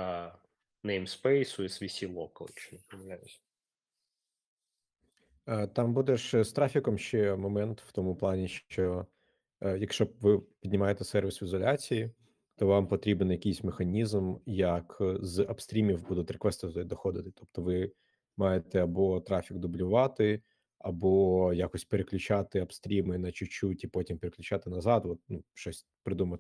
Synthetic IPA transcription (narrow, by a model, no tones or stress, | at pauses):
nɛjmspɛjsʊisʋʲisʲilˠɔkɐlˠɪt͡ʃɔnipɔmɐʋlʲajʊsʲ | t̪ɑmbud̪ɛʃst̪ɾafʲikɔmʃt͡ʃɛmɔmɛnt̪w̥t̪ɔmʊplˠɑnʲiʃt͡ʃɔ | jɐkʃt͡ʃɔʋɪpʲid̪ʲnʲɪmɑjet̪ɛsɛrʋʲisizɔlʲat͡sʲiji | t̪ɔʋɑmpɔt̪ɾʲibnjɐkɪjsʲmexɐnʲizmjɐkzɐpst̪ɾʲimʲiwbud̪ʊt̪ʲɾekʋɛst̪ɐd̪d̪ɔjʲd̪ɔxɔd̪ɪt̪ɪ̥t̪ʰɔp̚t̪ɔʋɪ | mɑjet̪ɛɐbɔt̪ɾafʲikd̪ʊblʲʊʋɑt̪ɪ | ɐbɔjakɔsʲtʲpeɾeklʲʊt͡ʃɑt̪ɪɐpst̪ɾʲimɪnɐt͡ʃʊt͡ʃutʲipɔtʲimpeɾeklʲʊt͡ʃat̪ɪnɐzɑd̪ʋɔt̪̚nuʃɔsʲ | pɾɪd̪umɐt̪